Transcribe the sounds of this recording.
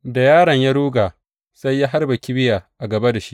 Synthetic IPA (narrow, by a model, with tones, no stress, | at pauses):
da˨jaː˦ɽɐ˨ɲja˦ɽuː˦ɡaː˨ | sa˦jːa˦ɦa˦rbɐ˨kʲɪ˦bɪ˦jaː˨ʔa˨ɡɐ˨ba˦da˨ʃi˦ʔ